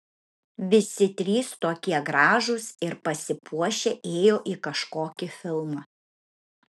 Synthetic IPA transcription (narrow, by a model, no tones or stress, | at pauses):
ʋʲɪsʲɪt̪ʲɾʲiːst̪oːkʲiɛɡɾɑːʒʊsɪɾpɐsʲɪpʰuɔʃʲeʔeːjoːʔiːkɐʃkoːkʲɪfʲɪlˠmɐ